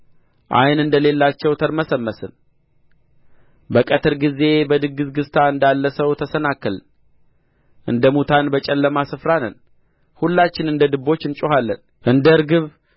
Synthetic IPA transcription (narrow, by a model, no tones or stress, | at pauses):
ʔa̰jnɨnd̪əle̞lːat͡ʃːɛwt̪ʰəɾməsəmːəsɨn | bəkʼət̪ʰɨɾɡize̞bəd̪ɨɡɨzɡɨst̪ʰaɨnd̪alːəsəwt̪ʰəsənakːəl | ʔɨ̰nd̪əmut̪ʰanbət͡ʃʼɛlːəmasɨfɾanə̰n | hulːat͡ʃːɪnɨnd̪əd̪ɨbːo̞t͡ʃːɨnt͡ʃʼoɦalːən | ʔɨnd̪əɨɾɡɨβ